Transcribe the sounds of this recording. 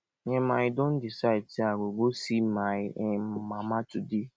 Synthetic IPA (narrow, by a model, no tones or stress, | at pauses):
ɲemaɪdõn̩disaɪd̚siaɡʷoɡosimammamatudi